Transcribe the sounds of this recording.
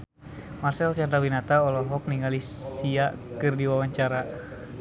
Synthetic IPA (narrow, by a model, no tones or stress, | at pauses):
marsɛlsard̪awinat̪aɔlɔɦɔk̚niŋalisiakɨrdiwawaɲt͡ʃaɾa